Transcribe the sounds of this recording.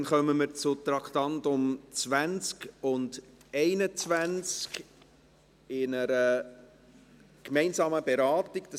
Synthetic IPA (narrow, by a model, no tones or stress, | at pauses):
nχœməmɪɾt͡sʊt̪ɾɑktɑntʊmt͡sʋænt͡skʊndɛɪnət͡svʋænt͡sk | ɪnəɾə | kmɛɪnsɑːməbeɾɑːtɪɡ̚d̥ɑ